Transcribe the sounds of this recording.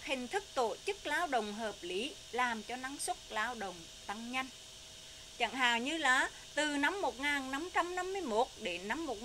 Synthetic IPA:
hï˨˩ŋ̟t̪ʰɨ˦˥k̚t̪o˧˩t͡ɕɨ˦˥k̚laː˨˦wɗə̰˨wŋ͡mɦəː˨˩p̚li˨˦ | laː˨˩mt͡ɕɔ˧na˨˦ŋswə˦˥t̚laː˨˦wɗə˨wŋ͡m | t̪a˧ŋɲa˧jŋ̟ | t͡ɕə̰˧˨nɦa̰ː˧˨ŋɲɨ˧laː˨˩ | t̪ɨ˨˩na˨˧˥mːo˨˩t̚ŋaː˨˩nːa˨˥mt͡ɕa˧mna˧mːɨ˧əjmo˦˥t̚ɗe˧˨˩na˨˦mːo˨˩t̚

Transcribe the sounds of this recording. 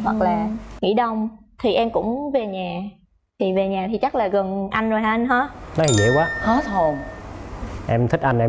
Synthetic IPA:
hwə˨˩k̚laː˨˩ŋḭ˧˥ɗə˧wŋ͡mt̪ʰi˨˩ʔɛ˧mkʊ̰˧˥ŋ͡mve˨˩ɲaː˨˩ | t̪ʰi˨˩ve˨˩ɲaː˨˩t̪ʰi˨˩t͡ɕa˦˥k̚laː˨˩ɣə˨˩ŋʔa˧jŋ̟zo˨˩jɦaː˧nɦɔ˧˨˦nɔ˨˦hi˨˩zḭː˧˦kwaː˨˦xɔ˨˦t̪ʰo˨˩ŋ | ʔɛ˧mt̪ʰi˦˥k̟̚ʔa˧jnʔɛ˧

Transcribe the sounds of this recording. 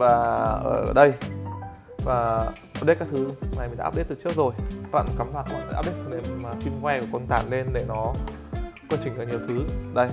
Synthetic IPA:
vaː˨˩ʔə̰ː˧˩ɗə˧j | vaː˨˩ʔa˧˦˥p̚ɗt̚kaː˦˥kt̪ʰɨ˨˦na˨˩jmi˨˩˨ɗa̰ː˦˥ɗe˦˥t̪̚tɨ˨˩t͡ɕɨ˦˥ək̚zo˨˩jva̰˧˨nka˨˦mlaː˨˩kɔ˧nː˨˦ja̰ː˦˥p̚ɗe˦˥kʰnʔe˧˩mmaː˨˩fi˧nkwɛ˧ku˧˩kɔ˧nt̪a̰ː˧˩nle˧nɗe˧˩nɔ˨˦ | kwaː˧nt͡ɕï˨˩ŋ̟ʔəː˧˩ɲi˨˩əwt̪ʰɨ˨˦ɗə˧j

